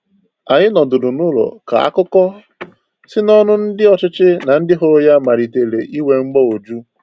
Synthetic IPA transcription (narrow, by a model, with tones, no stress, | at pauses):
a˨ɲɪ˦nɔ˨dʊ˨dʊ˨nu˦lo̰˨ka̰˨a̰˦kʊ˦kɔ˦ | sɪ˦nɔ˦nʊ˦n̩˦dɪ˦ɔ˨t͡ʃɪ˦t͡ʃɪ˦na˨n̩˦dɪ˦ɦo˦ja˦ma˨ɾi˨te˨le˨ʔi˦we˨ŋ͡m̩˦ɡ͡bɔ˦o˨d͡ʒu˦